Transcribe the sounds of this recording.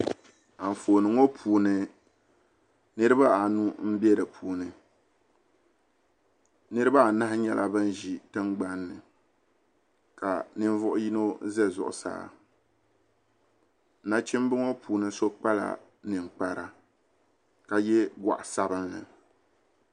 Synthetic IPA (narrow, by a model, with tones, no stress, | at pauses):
a˨ɱ̩˨foː˨nɨ˨ŋo˦pʰuː˨nɨ˨ | nɨ˦ɾɨ˦ba˦a˨nu˦m̩˦bɛ˦ɾɨ˨pʰuː˨nɨ˨ | nɨ˦ɾɨ˦ba˦˨na˦hɪ˦ɲɛ˨lʔa˦bɨ˦n˦ʒi˨tɨ˦ŋɡ͡ba˦nːɨ̰˨ | ka̰˨nɨ˦ɱ˦vʊ˦ʔʊ˦ji˦no˦zɛ˦zʊ̰˨ʔʊ̰˨sa̰ː˦˨˦ | na˦t͡ʃi˦m˦bɨ˦ŋo˦pʰuː˨nɨ˦so˦k͡pa˦la̰˨ | nɨ˨ŋ˨k͡pa˨ɾa̰˨ | ka˨jɛ˦ɡa̰˨ʔsa˦bɨ˦ŋːɨ̰˨